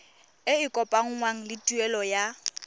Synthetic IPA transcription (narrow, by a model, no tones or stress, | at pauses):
ɪɪkʼɔpʼaŋ̩ŋwaŋ̩lɪtʼuɛlɔja